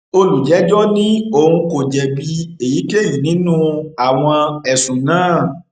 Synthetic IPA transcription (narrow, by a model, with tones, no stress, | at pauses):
o˧lu˨d͡ʒɛ˨˦d͡ʒɔ˦nĩ˦o˦˨hũ˧ko˨d͡ʒɛ˨bi˧e˨ji˨˦ke˦˨ji˨nĩ˨˦nũ˦a˨w̃ɔ̃˧ɛ˨sũ˨nãː˦˨